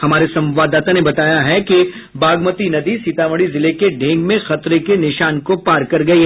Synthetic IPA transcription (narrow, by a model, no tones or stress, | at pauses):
hɐmaːɾesɐ̃mʋaːd̪ːaːt̪anebɐt̪aːjaɦɛki | baːɡmət̪inɐd̪isit̪aːʋəɽizɪlekeɖʱẽːŋɡmẽxɐt̪ɾekenɪʃaːnkopaːɾkɐɾɡɐiɦɛ